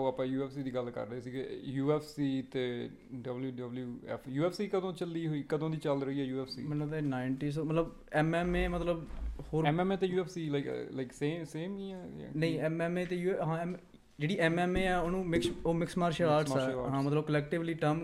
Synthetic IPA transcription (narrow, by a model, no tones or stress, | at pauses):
oːapãːjuːɛːpʰsiːd̪iːɡəlkə̰ɾːəesiːɡejuːɛːpʰsiːt̪eː | ɖəbljuːɖəbljuːɛ̰ːpʰjuːɛːpʰsiːkəd̪õːt͡ʃəld̪iːɦoiːkəd̪õːd̪iːt͡ʃəlɾəiːɛːjuːɛːpʰsḭːmɛ̃ːnõːt̪ːnaːɪɳʈiːs̬oːmət̪ləb | ɛːmɛːmeːmət̪ləbhoːɾɛmɛːmeːt̪eːjuːɛːpʰsiːlaɪklaɪkseːseːmiɛ̰nəĩɛːmɛːmeːt̪eːjuːɛɦãːɛm | d͡ʒeːɽiːʔɛːmɛːmeːɛːoːnũːmɪkoːmɪksmaːɾʃəːaːɾʈssɛːɦãːmət̪ləbkəlɛːkʈɪʋliːʈəm